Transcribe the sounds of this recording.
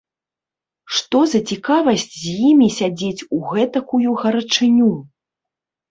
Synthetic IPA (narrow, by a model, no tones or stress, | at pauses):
ʂt̪ɔzɐt͡sʲikavɐsʲt͡sʲzʲjimʲisʲad͡zʲet͡sʲuɣɛt̪ɐkujuɣɐɾɐt͡ʂɨnʲu